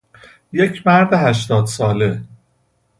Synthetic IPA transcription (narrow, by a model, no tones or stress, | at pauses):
je̞cʰmæɾd̪eɦæʃ̬t̪ɒːd̪sɒːle̞